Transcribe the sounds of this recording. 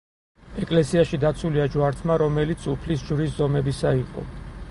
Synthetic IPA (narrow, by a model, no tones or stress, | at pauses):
ɛkʼlɛsiaʃid̪at̪sʰuliad͡ʒwaɾt̪ʰmaɾɔmɛlit̪sʰupʰlisd͡ʒvɾis̬zɔmɛbisaiqʼɔ̰